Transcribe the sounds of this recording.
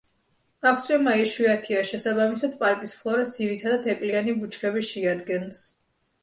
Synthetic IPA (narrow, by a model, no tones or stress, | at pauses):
ak̚ʰt̪sʼwɛmaiʃwiat̪ʰiaʃɛsabamisad̪̚pʼaɾkʼispʰlˠɔɾɛsd̪iɾit̪ʰad̪at̪ʰɛkʼlianibut͡ʃʰkʰɛβiʃiad̪ɡɛns